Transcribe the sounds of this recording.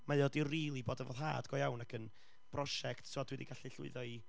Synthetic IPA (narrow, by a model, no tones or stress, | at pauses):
majɔdiriːlˠiboːdavo̰ðɦa̰ːdɡ̥ɔjawnakʰən | b̥rɔʃɛktsʊadwɛdḭɡaɬiɬʊ̰ɨðɔi